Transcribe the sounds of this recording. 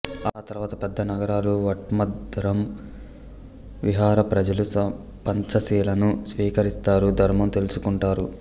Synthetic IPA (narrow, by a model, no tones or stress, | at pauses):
aːt̪ɐɾuʋaːt̪ɐpɛd̪ːɐnɐɡɐɾaːluʋɐʈ̚mɐd̪ɾɐm | ʋiɦaːɾɐpɾɐd͡ʒɐlusɐ | pɐɲt͡ʃɐsiːlɐnusʋiːkɐɾist̪aːɾud̪ʱɐɾmɐmt̪e̞lusukuɳʈaːɾu